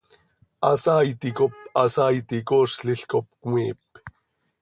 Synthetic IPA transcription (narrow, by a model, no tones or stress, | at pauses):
ʔɑsaːjt̪ikopɑsaːjt̪ikoʂɬiɬkop̚kmiːp̚